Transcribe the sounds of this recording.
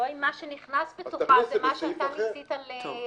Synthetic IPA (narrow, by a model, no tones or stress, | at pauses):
oimːaʃeniχnasbetoʁazemaʃat̪nisitale